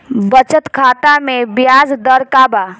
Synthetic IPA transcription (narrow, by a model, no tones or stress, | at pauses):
bət͡ʃət̪kʰaːt̪amẽbjaːzd̪əɾkaːba